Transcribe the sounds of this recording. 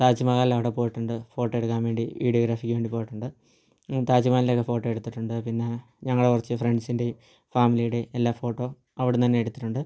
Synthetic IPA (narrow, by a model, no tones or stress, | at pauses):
t̪aːd͡ʑimɐɣaːlːɐʋiɽepo̞ːjiʈːuɳɖɨfo̞ːʈːoːeɽukːaːnʋe̞ːɳɖiʋḭːɽioɡɾaːfikʲːʋeːɳɖipo̞ːjiʈːuɳɖɨ | t̪aːd͡ʑimaːnilekːefo̞ːʈːo̞ːeɽut̪ːiʈːuɳɖɨpinːe̞ | ɲɐŋːɐɭekurɐt͡ɕːɨfre̞ɳɖsinde̞ | faːmilijuɽe̞ːlːaːfo̞ːʈːo̞ː | ɐʋiɽet̪ɐnːe̞eɽut̪ːi̥ʈːuɳɖɨ